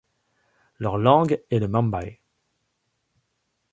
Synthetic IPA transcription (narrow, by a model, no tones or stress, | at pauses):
lœʁlɑ̃ɡeləmɑ̃mbaj